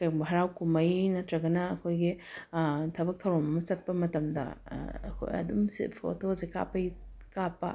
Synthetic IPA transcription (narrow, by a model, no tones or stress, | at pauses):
kɐjbɦɐɾawkumɐjnɐtɾɐɡɐnɐːkʰojɡi | tʰɐbɐk̚t̪ʰɐwɾomɐmɐt͡ʃɐt̚pɐmɐtɐmdɐ̰ɐ̰kʰo̰jɐ̰dumsḭpʰo̰tozeka̰pɐjkapːɐ̰